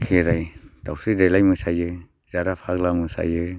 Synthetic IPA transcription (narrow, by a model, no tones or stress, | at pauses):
kʰeɾajd̥awsɯdelajmɯsajɯ | zaɾapʰaklamɯsa̰jɯ